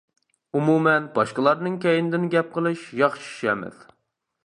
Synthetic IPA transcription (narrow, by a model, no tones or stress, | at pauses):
umumɛnbɑʃqəlˠɑɾnɨŋkʲɛjinɪd̪ɪnɡʲɛp̚qəlˠɨʃjɑχʃy̥ʃɛmɪ̰ð̥